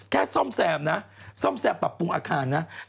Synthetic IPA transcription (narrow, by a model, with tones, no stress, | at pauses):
kʰɛː˧˥˩sɔ˧˥˩msɛː˧mna˦˥sɔ˥˩˨msɛː˧˩mpːɾa˨˩pːu˧ŋʔaː˧kʰaː˧nːa˦˥